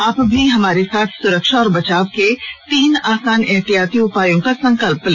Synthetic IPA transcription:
aːpbʱiɦɐmaːɾesaːt̪ʰsʊɾəkʃaɔːɾbɐt͡ʃaːʋket̪iːnaːsaːnɪɦt̪ijaːt̪iʊpaːjõkasɐ̃ŋkəlp̚le

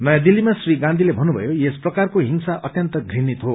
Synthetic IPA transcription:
nʌjãd̪ilimasriɡãnd̪ʱilebʱʌnːubʱʌ̰jojesprʌkarkoɦimsaʔʌt̪jʌnt̪ʌɡʱrinit̪ɦo

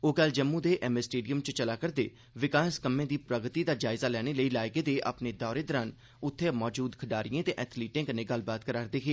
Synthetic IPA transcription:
oːɡəld͡ʒəmːũːd̪eːʔɛːmesʈeːɖijəmt͡ʃət͡ʃəlaːkəɾd̪ḛː | ʋɪkaːskəmːẽːd̪iːpɾəɡt̪iːd̪aːd͡ʒaːɪzaːlɛːɽ̃eːləiːlaːjɡeːd̪eːʔa̰ːpneːd̪ɔːɾeːd̪əɾən | ʊt̪ʰːeːmɔːd͡ʒuːd̪kʰəɖaːɾiẽːt̪eːʔɛːt̪ʰliːʈɪ̃ŋkənẽːɡəlbaːt̪̚kəɾaːɾd̪eːɦeː

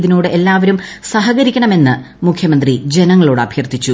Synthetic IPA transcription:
ðinuːɽɨʔe̞lːaːʋɐɾumsɐɦɐɣɐɾikʲːɐɳɐme̞nːɨ | mukʰjɐmɐnd̪rid͡ʑe̞nɐŋːɐɭoːɽɨɐbʱjɐrt̪ːit͡ɕːu

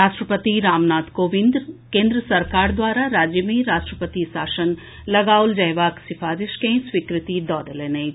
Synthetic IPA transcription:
aːʃʈɾəpət̪iɾaːmnaːt̪koːʋɪ̃nd̪kẽːnd̪ɾəsɐɾkaːɾd̪ʋaːɾaɾaːd͡ʒjəmiːɾaːʃʈɾəpət̪isaːʃən | lɐɡaːʊld͡ʒɐɦjʋaːksɪfʰaːɾɪʃkẽːsʋikɾɪt̪id̪ɔːd̪əleːnei

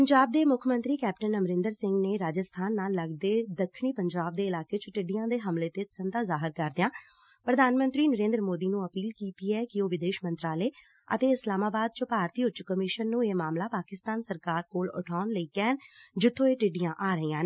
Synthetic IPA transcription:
pəɲd͡ʒaːb̚d̪eːmʊkʰmə̃nt̪ɾiːkɛːp̚ʈənəmɾɪ̃nd̪əɾsɪ̃ŋɡneːɾaːd͡ʒəst̪ʰaːnːaːlːəɡ̚d̪eːd̪əkʰːɳiːpəɲd͡ʒaːb̚d̪eːɪlaːkeːt͡ʃəʈɪɖɪjãːd̪eːɦəmleːt̪eːt͡ʃənd̪aːzaːɦɪɾkəɾd̪ɪjãː | pɾəd̪ʱaːnmə̃nt̪ɾiːnəɾẽːnd̪ɾəmoːd̪iːnũːəpiːlkiːt̪iːɛːkɪoːʋɪd̪eːʃmə̃nt̪ɾaːleː | ə̰t̪eːɪslaːmaːbaːd̪̚t͡ʃopaːɾt̪iːʊt͡ʃːkəmɪʃənːũːeːmaːmlaːpaːkɪst̪aːnsəɾkaːɾkoːlʊ̰ʈʰaːnləiːkɛːnd͡ʒɪt̪ʰːõːeːʈɪɖɪjãːʔaːɾəiːãːneː

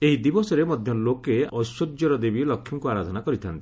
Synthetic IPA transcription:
eɦid̪ibɔsɔɾemɔd̪ʱjɔlokeɔsodjɔɾɔd̪ebilɔkʰːjɔŋkuaɾad̪ʱɔnakɔɾit̪ʰant̪i̥

